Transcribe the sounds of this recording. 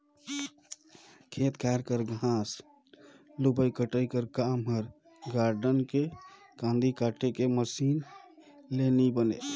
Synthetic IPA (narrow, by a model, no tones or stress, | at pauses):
kʰet̪kʰaɾkəɾɡʱãs | lubəjkəʈəjkəɾkamɦəɾ | ɡaɾɖənke | kãnd̪ikaʈʰekeməsin | lenibəne